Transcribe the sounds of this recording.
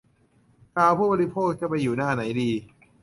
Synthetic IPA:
kʰaː˧wpʰuː˥˩bɔː˧li˦˥pʰoː˥˩k̚t͡ɕa˧˩pa˧jːuː˨˩naː˥˩na˩˦jdiː˧

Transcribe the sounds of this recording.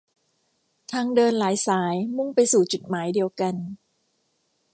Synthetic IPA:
t̪ʰaː˧ŋdɤː˧nlaː˩˦jsaː˩˦jmu˥˩ŋpa˧jsuː˨˩t͡ɕu˨˩t̪̚maː˩˦jdi˧əwka˧n

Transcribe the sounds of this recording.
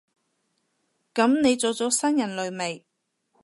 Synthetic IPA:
kɐ˨˥mne˨˧jt͡soː˨˧wt͡sɔː˨˥sɐ˥njɐ˨˩nlɵ˨˧ɥme˨˩j

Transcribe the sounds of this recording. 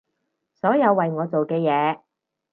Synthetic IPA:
sɔː˨˥jɐ˨˧wːɐ˨jŋɔː˨˧t͡so˨wkɛː˧jɛː˨˧

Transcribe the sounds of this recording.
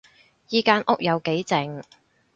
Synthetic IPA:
jiː˨˧kaː˧nʔʊ˥k̚jɐ˨˧wke˨˥jt͡sɪ˨ŋ

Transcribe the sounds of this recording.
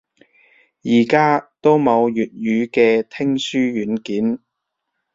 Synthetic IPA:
jiː˨˩kaː˥t̪o˥wmɐ˨˧wjyː˨t̚jyː˨˧kɛː˧t̪ʰɪ˥ŋsyː˥jyː˨˥nkiː˨˥n

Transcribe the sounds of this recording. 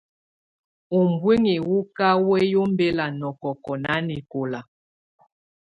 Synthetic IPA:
u˨mbwi˦ŋi˨wu˦ka˦wɛ˦jo˦m˦be˦la˨nɔ˨kɔ˨kɔ˨na˨˦ni˨ko˨la˨

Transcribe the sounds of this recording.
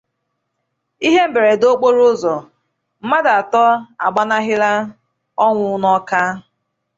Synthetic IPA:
i˦ɦe˦m̩˦be˨ɾe˨do˦k͡po˦ɾʊ˦zɔ˨ | m̩˦ma˦da˨tɔ˦a̰˨ɡ͡ba˦na˦ɦɪ˦ɾa˦ | ɔ˦ŋʷʊ˦ʊ˦nɔ˦ka˦

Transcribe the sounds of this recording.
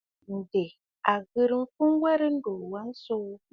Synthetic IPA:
n̩˨de˨ | a˨ɣɨ˦ɾɨ˦m̩˦fu˦nwɛ˦ɾɨ˦n̩˦do˨ɾwa˦n̩˦so˦

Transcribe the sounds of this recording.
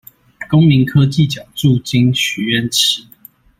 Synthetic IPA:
ko˦ŋmi˨˦ŋkʰɤ˦t͡ɕi˥˨t͡ɕjɑ˨˩ʊʈ͡ʂu˥˨t͡ɕi˦nɕy˨˩ɥɛ˥˨nt͡ɕʰi˨˩˦

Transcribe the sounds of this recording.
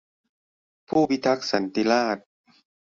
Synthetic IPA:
pʰuː˥˩wi˦˥t̪ʰa˦˥k̚sa˨˦nt̪i˧˥laː˥˩t̪̚

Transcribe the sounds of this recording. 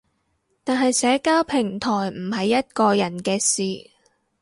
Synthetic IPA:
t̪aː˨nɦɐ˨jsɛː˨˥kaː˥wpʰɪ˨˩ŋt̪ʰɔː˨˩jm̩˨˩hɐ˨jːɐ˥t̚kɔː˧jɐ˨˩nkɛː˧siː˨˩

